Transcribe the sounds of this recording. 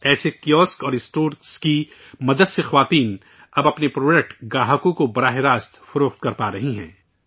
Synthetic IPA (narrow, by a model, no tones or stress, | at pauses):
ɛːsekijɔːskɔːɾɪsʈoːɾski | mɐd̪əd̪sexɐʋaːt̪iːn | ɐbɐpnepɾoːd͡ʒek̚ʈɡaːɦəkõkobɐɾaːɦeɾaːst̪fʊɾoːxt̪̚kɐɾpaːɾɐɦiɦɛ̰̃ː